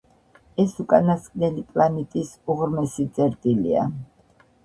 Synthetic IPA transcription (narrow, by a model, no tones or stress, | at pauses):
ɛsukʼanaskʼnɛlipʼlˠanit̪ʼisuʁɾmɛsit̪sʼɛɾt̪ʼilia̰